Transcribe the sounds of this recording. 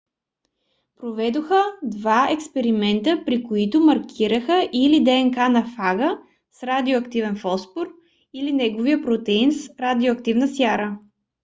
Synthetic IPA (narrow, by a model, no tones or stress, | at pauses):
pɾovɛd̪oxəd̪vaɛkspɛɾimɛnt̪əpɾikoit̪ʊmɐɾkʰʲiɾəxəʔilid̪ɛɛnkanɐfaɡə | sɾad̪ioɐkt̪ivɛnfɔspoɾ | ilinɛɡovijəpɾot̪ɛinsɾad̪ioɐkt̪ivnəsjaɾə